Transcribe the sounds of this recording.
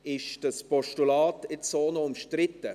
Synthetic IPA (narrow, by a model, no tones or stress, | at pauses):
ɪʃd̥ɐspɔʃtulaːtɪtsoːnoʊmʃtrɪtːə